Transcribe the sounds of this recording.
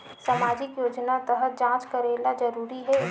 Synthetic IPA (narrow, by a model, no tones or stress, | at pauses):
samaːd͡ʒɪkjoːd͡ʒnat̪əɦəd͡ʒãːt͡ʃkəɾeːlad͡ʒɐɾuːɾiɦɛ